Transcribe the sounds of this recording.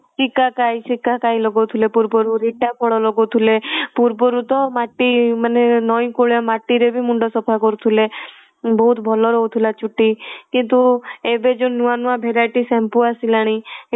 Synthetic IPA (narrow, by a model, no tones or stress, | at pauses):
sikakajsikakajlɔɡot̪ʰulepuɾpɔɾuɾiʈapʰɔɭɔlɔɡot̪ʰulepuɾbɔɾut̪ɔmaʈːimanenɔj̃koɭjamaʈːiɾebʱimuɳɖɔsɔpʰakɔɾut̪ʰule | bɔɦut̪bʱɔlɔɾɔɦut̪ʰulat͡ʃuʈːikint̪uebed͡ʒonuanuãbʱeɾajʈisɛmpuasilaɽ̃i